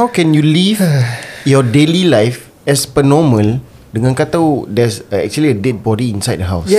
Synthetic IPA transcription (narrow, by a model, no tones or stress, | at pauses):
hawkɛ̃njulivjɔdelilajf | ɛspənɔmə̃l | dəŋãnkat̪awdɛsɛ̰k̚t͡ʃuəliədet̚bɔdiĩnsajd̚dəɦaws